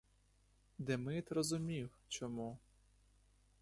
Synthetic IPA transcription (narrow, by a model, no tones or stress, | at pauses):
d̪ɛmɪt̪rɔzʊmʲiw | t͡ʃɔmu